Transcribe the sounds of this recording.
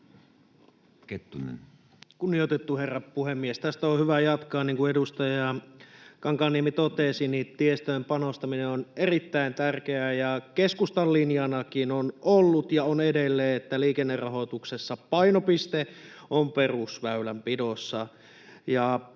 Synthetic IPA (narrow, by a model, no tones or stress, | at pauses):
ket̪ːunḛn | kunːijot̪et̪ːuherːɑppuhemːiest̪æst̪æohyʋæjɑt̪kɑːnniːŋkuedust̪ɑjɑ | kɑŋkɑːnːiemit̪ot̪esinit̪iest̪øːmpɑnost̪ɑmineonerit̪ːæint̪ærkeæjɑkeskust̪ɑlːinjɑnɑkinonolːut̪jɑonedelːeːet̪ːæliːkenːerɑɦo̞t̪uksesːɑpɑinopist̪eomperusʋæylæmpidosːɑ | jɑ